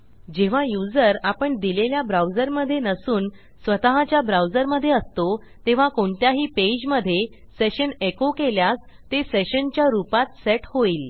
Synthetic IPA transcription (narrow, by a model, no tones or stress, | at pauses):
d͡ʑeʋ̤ajud͡zəɾapəɳd̪ileljabɾawd͡zəɾməd̪ʱːjenəsuːn | sʋət̪aɦat͡ɕjabɾawd͡zəɾməd̪ʱːjeəst̪o | t̪eʋ̤akoɳt̪jaɦiːped͡ʑməd̪ʱːje | seɕənekokeljas | t̪eseɕənt͡ɕjaɾupat̪seʈhoiːl